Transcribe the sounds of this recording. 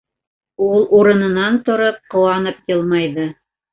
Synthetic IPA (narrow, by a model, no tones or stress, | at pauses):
ulˠʔuɾɤ̆nɤ̆nɑnt̪ŏɾop̚qŏwɑnɤpjɤlˠmɑjðɤ